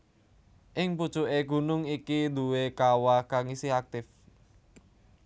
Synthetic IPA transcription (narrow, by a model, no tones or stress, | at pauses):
ʔɪŋpud̥ʒ̥uʔeɡ̥ṳnʊŋikid̪ṳwekawakaŋisɪhak̚t̪ɪf